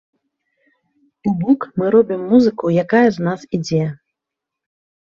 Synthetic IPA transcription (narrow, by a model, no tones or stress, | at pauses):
ubɔkmɨɾɔbʲimːuzɨkujakajɐznasid͡zʲɛ